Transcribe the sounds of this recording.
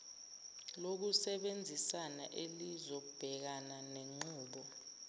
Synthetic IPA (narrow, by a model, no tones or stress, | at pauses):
lok̬usɛɓend͡zʱisana̰ʔelizɔk̬ub̥ʱɛk̬ananeŋ͡ǃuːɓɔ